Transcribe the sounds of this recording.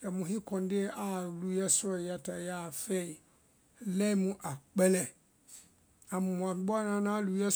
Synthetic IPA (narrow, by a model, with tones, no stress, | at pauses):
kɛ˨mʊ̃˨ɦĩ˦kʰɔ̃˨n˦dɪ˦a˨lu˨˦ɛ˦sʊ˦ɔ˨jɛ˦tʰa˨ja˦˨fe˦i˨ | lɛ˦mũ˦ʔa˨k͡pɛ˦lɛ˨ | ã˨mʊ˨m̃˨a˨˦bɔ˦a˦nã˦nã˦lu˨˦ɛ˦